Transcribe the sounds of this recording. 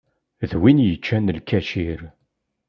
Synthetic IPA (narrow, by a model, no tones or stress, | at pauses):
ðwinjət͡ʃːænlkæʃiɾ